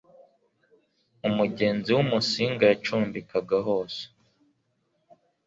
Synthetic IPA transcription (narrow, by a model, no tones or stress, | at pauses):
umuɟe̞ːnziwumusiːŋɡajat͡ʃuːmbikaɡaɦoːse̥